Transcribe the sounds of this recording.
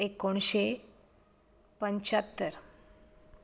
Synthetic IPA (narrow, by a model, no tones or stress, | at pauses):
ekoɳ̃ɕe | pəɲt͡ɕat̪ːəɾ